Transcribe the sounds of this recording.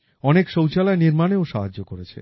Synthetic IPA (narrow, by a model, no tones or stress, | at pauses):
ɔnekʃowt͡ɕalaeniɾmaneoʃaɦad͡ʑːokoɾet͡ɕʰḛ